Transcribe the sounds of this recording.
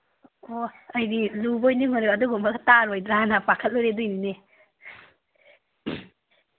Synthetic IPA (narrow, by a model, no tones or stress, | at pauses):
oɐjdilubojniŋonɾeaduɡumbaɡtaɾojdɾanapakʰət̚loɾedujnine